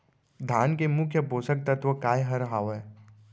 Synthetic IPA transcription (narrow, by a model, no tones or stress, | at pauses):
d̪ʱaːnkemʊkʰjəpoːsək̚t̪ɐt̪ʋəkaːjɦɐɾɦaːʋɦɛː